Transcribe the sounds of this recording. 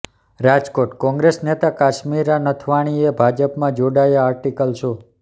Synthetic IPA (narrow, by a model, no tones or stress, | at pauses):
ɾad͡ʒkoʈkɔ̃ŋɡɾesnet̪akaʃmiɾanət̪ʰʋaɽ̃iebʱad͡ʒəpmãd͡ʒoɽajaaɾʈikəlʃo